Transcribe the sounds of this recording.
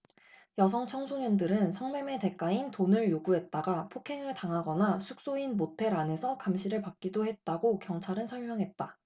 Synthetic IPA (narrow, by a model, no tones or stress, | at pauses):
jʌs̬ʰʌŋt͡ɕʰʌŋsʰoɲʌndɯɾɯnsʰʌŋme̞me̞te̞k͈aintonɯɭjoɡuɦe̞t̚t͈aɡapʰokʰe̞ŋɯɭtaŋɦaɡʌnasʰuk̚s͈oinmotʰe̞ɾane̞sʰʌkamɕʰiɾɯɭpak̚k͈idoɦe̞t̚t͈aɡokjʌŋt͡ɕʰaɾɯnsʰʌɭmjʌŋɦe̞t̚t͈a